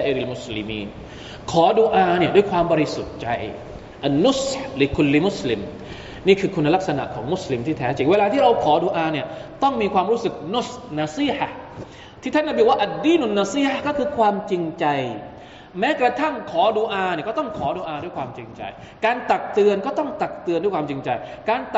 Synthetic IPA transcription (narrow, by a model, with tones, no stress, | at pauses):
a˧ʔe˧ɾi˧˨lmu˦˩slḭ˧mḭː˧n | kʰɔː˩˦du˧ʔaː˧ni˥˩ədu˥˩jkʰwaː˧mbɔː˧ɾi˧su˨˩t̪̚t͡ɕa̰˧j | ʔa˨nːu˦˥˩sli˨˧kʰu˧lːi˦mu˦˥˩sli˧m | niː˥˩kʰɯː˧kʰu˧nːa˦la˦˥k̚sa˧na̰˨˩ʔkʰɔː˩˦ŋmu˥˩sli˧mt̪ʰiː˥˩t̪ʰɛː˦˥t͡ɕi˨˩ŋweː˧laː˧t̪ʰi˥˩ɾa˧wkʰɔː˩˦duː˧ʔaː˧ni˥˩ɐt̪ɔ˥˩ŋmiː˧kʰwaː˧mɾuː˦˥sɯ˨˩k̚nu˦˥˩snaː˧si˦˥˩ħa˨h | t̪ʰiː˥˩a˥nːa˧˩biː˧waː˥˩ʔa˨d̪ːiː˥˨nu˧˨nːa˧si˥˩ħa˦˩kɔː˥˩kʰɯː˧kʰwaː˧mt͡ɕi˧ŋt͡ɕa˧j | mɛː˦˥kɾa˧t̪ʰa˥˩ŋkʰɔː˩˦du˧ʔaː˧ni˧˥˩kɔ˥˩t̪ɔ˥˩ŋkʰɔː˩˦duː˧ʔaː˧du˥˩jkʰwaː˧mt͡ɕi˧ŋt͡ɕa̰˧j | kaː˧nt̪a˨˩k̚t̪ɯ˧ənkɔː˥˩t̪ɔ˥˩ŋt̪a˨˩k̚t̪ɯ˧ənduː˥˩jkwaː˧mt͡ɕi˧ŋt͡ɕa˧jkaː˧nt̪